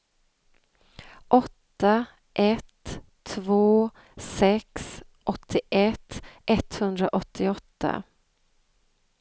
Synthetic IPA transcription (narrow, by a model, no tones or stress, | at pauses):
ʔɔt̪ːa | ʔɛt̪ʰː | voː | sɛksʔɔt̪ʰːɪʔɛt̪ːʔɛt̪hɵnd̪ɾaʔɔt̪ʰːɪɔt̪ʰːa̰